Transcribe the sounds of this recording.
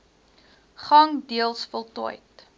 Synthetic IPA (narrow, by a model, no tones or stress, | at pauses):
χɐŋdiəlˠsfəlˠtɔəjt